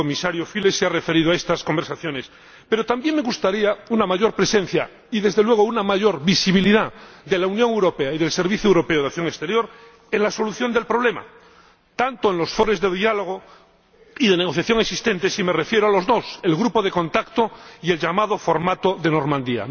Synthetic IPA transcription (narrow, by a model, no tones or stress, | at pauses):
komisaɾjofilesearefe̞ɾiðoaest̪asko̞mbeɾsaθjo̞ne̞s | pe̞ɾo̞t̪ambje̞ŋme̞ɣust̪aɾiaunamaʝo̞ɾpɾe̞sẽ̞n̟θja̰ | iðe̞zðelwe̞ɣ̞ounamaʝo̞ɾβisiβ̞iliðad̪e̞launjoŋewɾo̞peaiðe̞lse̞ɾβiθjoewɾo̞peoð̞aθjo̞ŋest̪e̞ɾjo̞ɾ | eŋlaso̞luθjo̞nd̪e̞lpɾo̞β̞le̞ma̰ | t̪ant̪oenlo̞sfo̞ɾe̞zðeðialo̞ɣ̞o | iðe̞ne̞ɣo̞θjaθjo̞ŋeksist̪e̞nt̪esimerefjeɾoalo̞zðo̞selɣɾupoðeko̞nt̪akt̪oie̞lʎamað̞o̞fo̞ɾmat̪oðe̞no̞ɾmãnd̪ia̰